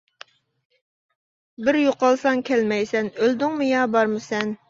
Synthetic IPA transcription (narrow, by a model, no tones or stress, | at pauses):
bɪɾjoqɑlˠsɑŋkʲʰɛlmɛjsɛnøld̪ɪŋmʊjɑbɑɾmɨsɛn